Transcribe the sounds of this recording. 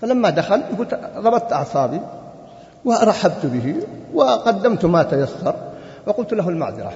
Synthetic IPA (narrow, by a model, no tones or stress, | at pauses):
falamːad̪axaljaɡuːlt̪ɾˤɑbɑt̪ˤt̪ʔɑʕsˤɑːbi | wɪɾˤɑħːabt̪bɪɦiwɪqɑd̪ːamt̪mat̪ajasːɑɾˤ | wɪqʊlt̪laɦʊlma̰ʕðˤɪɾɑ̰